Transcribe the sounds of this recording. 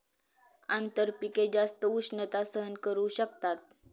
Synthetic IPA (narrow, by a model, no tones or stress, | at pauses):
ant̪əɾpiked͡zast̪əusnət̪asəɦənkəɾuɕəkt̪at̪̚